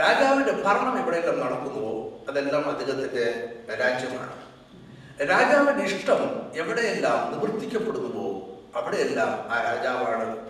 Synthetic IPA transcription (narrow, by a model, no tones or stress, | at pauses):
ɾaːd͡ʑaːʋinde̞pɐɾɐɳɐmeʋiɽeelːaːmnɐɽɐkːunːuʋoːɐðe̞lːaːmɐd̪ʱiɣɐt̪ːinde̞ɾaːd͡ʑjɐma̰ːɳɨ | ɾaːd͡ʑaːʋindeiʂʈɐme̞ʋiɽe̞jelːaːmniʋrt̪ːikʲːɐpːe̞ɽunːuʋo̞ː | ɐʋiɽe̞jelːaːmaːɾaːd͡ʑaːʋaːɳɨ